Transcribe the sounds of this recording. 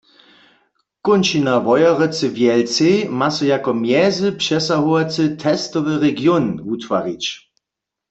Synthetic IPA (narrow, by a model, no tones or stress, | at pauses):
kʊnʃinavɔjaʁɛt͡səvjɛlt͡semasɔjakɔmjɛzəpʃɛsaɦuat͡sɨt̪ʰɛstɔvəʁɛɡjonutʋaʁit͡ʃ